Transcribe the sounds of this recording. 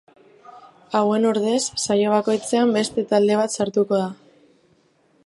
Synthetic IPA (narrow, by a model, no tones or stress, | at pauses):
awe̞noɾðe̞sːajo̞β̞ako̞jt͡se̞ambe̞st̪e̞t̪ald̪e̞β̞at̪saɾt̪uko̞ð̞a